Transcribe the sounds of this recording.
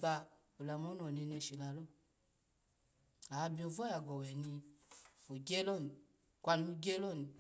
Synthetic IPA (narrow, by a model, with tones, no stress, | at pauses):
ba˧ | u˨la˨mɔ˦nɔ˨ne˧ne˧˨ʃi˨la˨lɔ˦ | a˨˦bi˨˦o˧vɔ˦ja˨ɡɔ˨wɛ˨ni˧ | o˨ɡɛ˦lɔ˦n˨ | kʷa˧n˦u˦ɡɛ˦lɔ˦˨ni˨